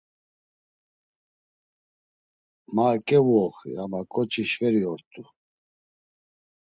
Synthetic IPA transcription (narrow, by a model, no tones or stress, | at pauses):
makʼɛvɔχḭamakʼɔt͡ʃʰiʃvɛɾiɔɾt̪ʼu